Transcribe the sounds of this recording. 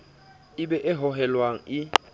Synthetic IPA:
iɓɛʔɛɦɔɦɛlwaŋ̩i

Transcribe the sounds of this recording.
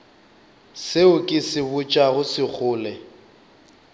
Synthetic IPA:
sɪʊkʼɪsɪbʊt͡ʃʼaɣʊsɪk͡xʰʊːlɛ

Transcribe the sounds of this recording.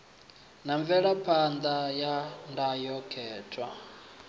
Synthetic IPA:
naɱvɛɺapʰand̪ajandajɔkʰɛːtʰʼwa

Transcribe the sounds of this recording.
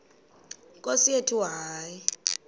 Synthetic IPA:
kʼosietʰiwaːji

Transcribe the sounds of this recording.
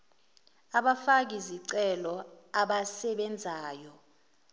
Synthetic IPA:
aɓafak̬iziǀɛlɔ | aɓasɛɓɛnd͡zʱaːjɔ

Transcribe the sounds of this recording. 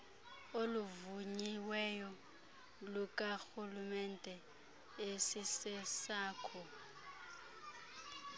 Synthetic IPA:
oluvuɲiwɛjɔ | lukʼaxulumɛndʱɛ | esisɛsaːkʰɔ

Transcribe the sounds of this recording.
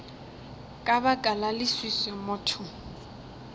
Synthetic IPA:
kʼabakʼalalɪswisɛmʊːtʰʊ

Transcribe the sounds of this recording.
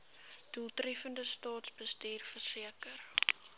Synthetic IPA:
d̥ulˠtrɛfəndəstɑːtsbəstiːrfərsiəkər

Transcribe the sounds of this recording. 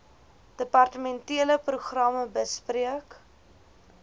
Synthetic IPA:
d̥əpɐrtəmɛntiələpruχrɐməbəspriək

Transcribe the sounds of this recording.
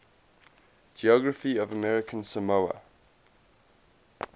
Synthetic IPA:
d͡ʒiɔɡɹəfiəvəmɛɹɪkʰə̃nsəmoʊə̰

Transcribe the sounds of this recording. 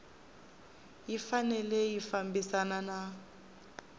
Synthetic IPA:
jifanɛlɛjifambisanana

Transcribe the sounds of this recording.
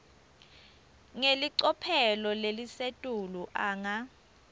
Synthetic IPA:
ŋeliǀɔpʰɛlɔlelisetʼuluʔaːŋa

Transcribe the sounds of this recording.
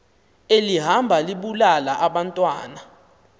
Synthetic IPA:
eliɦambʱaliɓulalaʔaɓantʼwaːna

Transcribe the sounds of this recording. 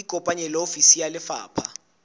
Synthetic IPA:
ikʼɔpʼaɲɛlofisijalɪfa̰ːpʰa

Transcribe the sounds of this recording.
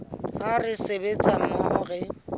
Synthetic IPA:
arɪsebet͡sʼamɔːɣɛ

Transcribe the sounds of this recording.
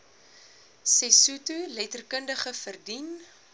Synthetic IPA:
sɛsutulɛtərkəndəχəfərdin

